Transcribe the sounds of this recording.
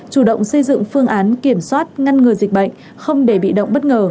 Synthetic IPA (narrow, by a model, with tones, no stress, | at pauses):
t͡ɕu˧˩ɗə̰˧˨wŋ͡msə˧jzɨ̰˧˨ŋfɨ˧əŋʔaː˨˦nki˧˩əmswaː˦˥t̚ŋa˧nŋɨ˨˩əjzi˨˩k̟̚ɓə̰˧˨jŋ̟ | xə˧wŋ͡mɗe˧˩ɓḭ˧˨ɗə̰˧˨ŋ͡mɓə˦˥t̚ŋəː˨˩